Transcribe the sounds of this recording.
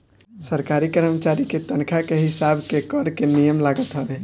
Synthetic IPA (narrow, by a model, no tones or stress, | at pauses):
səɾkaɾikəɾəmt͡ʃaɾiket̪ənkʰakeɦɪsabʱkekɔɾkenijəmlaɡət̪ɦəbe